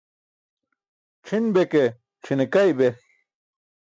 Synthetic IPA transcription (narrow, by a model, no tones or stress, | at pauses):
t͡ʃʰinbeke | t͡ʃʰinekajbe